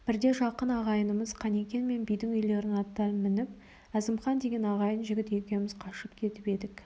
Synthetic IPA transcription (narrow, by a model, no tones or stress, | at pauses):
b̥ɪɾd̪e̞ʒɑqənɑʁɑjənəməzqʰɑne̞kʲe̞nme̞nbijd̪ɪŋʏjle̞ɾɪnɑt̪ːɑnmɪnɪp̚ | æzɪmχɑnd̪e̞ɡʲe̞nɑʁɑjənʒɪɡʲɪt̪e̞kʲe̞nɪmɪz̥qʰɑʃəp̚kʲʰe̞t̪ɪpe̞d̪ɪk